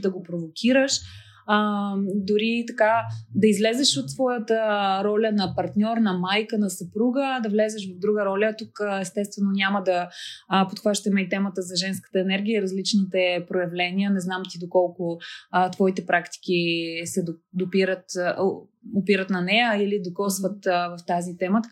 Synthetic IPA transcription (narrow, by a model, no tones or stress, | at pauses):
d̪ɐɡopɾovokʲʰiɾəʃ | əd̪ʊɾit̪ɐkad̪ɐizlɛzɛʃot̪ːsvɔjət̪əɾɔlʲənɐpɐɾt̪nʲɔɾnɐmajkənɐsɐpɾuɡəd̪ɐvlɛzɛʃvɐvd̪ɾuɡəɾɔlʲət̪ukɛst̪ɛst̪vɛnonʲaməd̪ɐpot̪xvaʃt̪əmɛit̪ɛmət̪əzɐʒɛnskə̥t̪əɛnɛɾɡ̟ʲijəiɾɐzlit͡ʃnit̪ɛpɾojɐvlɛnʲiənɛznamt̪id̪okɔlˠkʊt̪vɔit̪ɛpɾakt̪i̥k̟ʲisɛd̪od̪opiɾət̪ | opiɾət̪nɐnɛjəilid̪okɔsvət̪vɐft̪azit̪ɛmə